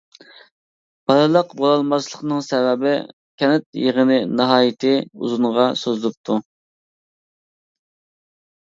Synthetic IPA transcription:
b̥ɑɾˠɨlˠəqbolˠɑlˠmɑzlˠəqnɨŋsɛvɛbɪ | kʲʰɛnɪt̪̚jəʁənɪnɨɦɑːjɪt̪ʰɪṵzunʁɑsøzlɪp̚t̪ʰu

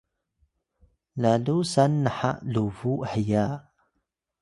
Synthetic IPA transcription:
lalusanːaħa̰ʔluvuħijaː

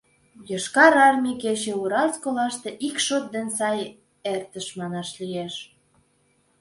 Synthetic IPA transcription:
jəʃkɑɾɑrmʲiket͡ɕeuɾɑlskolɑʃt̪eʔikʃot̪̚d̪ensɑj | ert̪əʃmɑnɑʃlijeʃ

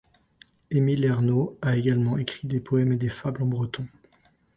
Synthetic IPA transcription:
emilɛʁnoaeɡalmɑ̃ekχid̪epʰɔɛmed̪efablɑ̃bʁət̪ɔ̃

